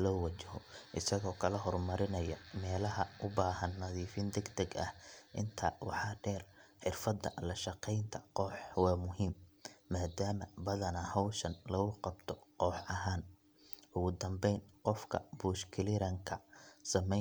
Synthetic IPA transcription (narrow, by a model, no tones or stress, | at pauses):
lɔːwɐt͡ʃɐɦɔ̰ʔɪsɐɣɔːkʰɐlɐɦɔrmɐɾɪnɐjɐmɛːlɐɦɐʔʊbaːɦɐnːɐðiːfɪnd̪ɛɡd̪ɛɡɐ̰hʔɪ̰nt̪ʰaːwɑ̰ħɑːɖɛːrħɪrfɐd̪ɐ̰lɐʃɑqɛjnt̪ʰɐ̥qɔːħwɑːmʊɦiːmːaːd̪aːmɐbɐðɐnɐhɔwʃɐnlɐɣʊqɑbt̪ʰɔqɔːħɐɦaːn | ʊɣʊd̪ɐmbɛjnqɔfkʰɐ̰buːʃkʰɪlɪɾɐŋkʰɐsɐmɛ